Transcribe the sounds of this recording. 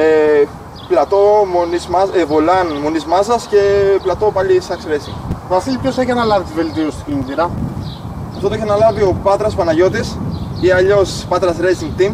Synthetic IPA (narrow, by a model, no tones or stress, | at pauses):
e | plɐt̪o̞monizmɐzevolɐnmonizmɐzɐsce̞plɐt̪o̞pɐʎisɐksɾesiŋɡvɐfiʎipçoseçɐnɐlɐvit̪ive̞lt̪iosi̥t̪i̥kinit̪iɾɐ | ɐft̪ooeçnɐlɐvio̞pɐt̪ɾɐsopɐnɐʝo̞t̪̬isiɐʎo̞spɐt̪ɾɐsɾesiŋɡt̪im